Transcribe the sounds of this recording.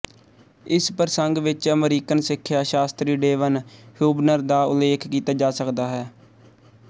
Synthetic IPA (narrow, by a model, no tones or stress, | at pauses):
ɪspəɾsəŋɡʋɪt͡ʃəmɾiːkənsɪkʰːjaːʃaːst̪ɾiːɖeːʋənhjuːbnəɾd̪aːʊ̰leːkʰkiːt̪aːd͡ʒaːsəkd̪aːɦɛː